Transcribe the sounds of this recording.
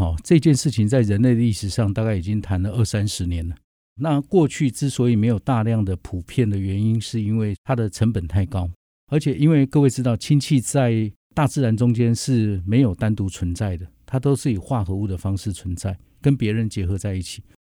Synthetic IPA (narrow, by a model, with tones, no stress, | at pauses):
xɔ˨˩ʈ͡ʂɤ˥˧i˧t͡ɕjɛ˥˧nʂɻ̩˥˩t͡ɕʰi˧˦ŋt͡sa˥˩ɪɻə˧˦nle˥˩ɪd̪ə˨˩i˥˩ʂɻ̩˧˩ʂɑ˥˧ŋt̪a˥˧ka˥˩ɪi˨˩t͡ɕi˦˥ŋt̪ʰa˧˦˥nlə˨ʔə˥˧sa˦nʂɻ̩˧˦njɛ˨˦nə˨ | na˥˧kwɔ˥˧t͡ɕʰy˥˧ʈ͡ʂɻ̩˥˩swɔ˧˥i˨me˧˥ɪjo˨˩ʊt̪a˥˧ljɑ˥˩ŋd̪ə˩pʰu˨˩pʰjɛ˥˩nd̪ə˩ɥɛ˧˦ni˦nʂɻ̩˥˩i˦˥nwe˥˩ɪt̪ʰa˥d̪ə˨ʈ͡ʂʰə˧˥npə˨˩nt̪ʰa˥˩ɪkɑ˦˥ʊ | ə˞˧˥t͡ɕʰjɛ˨˩ʔi˦˥nwe˥˧ɪkɤ˥˧we˥˩ɪʈ͡ʂɻ̩˥t̪ɑ˥˩ʊt͡ɕʰi˥nt͡ɕʰi˥˧t͡sa˥˧ɪ | t̪a˥˧t͡sɹ̩˥˩ɻa˧˥nt͡sʊ˥ŋt͡ɕjɛ˥nʂɻ̩˥˩me˧˥ɪjo˨˩ʊt̪a˥nt̪u˧˥t͡sʰwə˧˦nt͡sa˥˩ɪd̪ə˩t̪ʰa˥t̪o˥ʊʂ̩˥˩i˨˩xwa˥˩xɤ˧˥u˥˩d̪ə˩fɑ˥ŋʂɻ̩˥˩t͡sʰwə˧˦nt͡sa˥˩ɪ | kə˦npjɛ˧˥ɻə˧˦nt͡ɕjɛ˧˥xɤ˧˦t͡sa˥˧ɪi˥˩t͡ɕʰi̥˨˩˦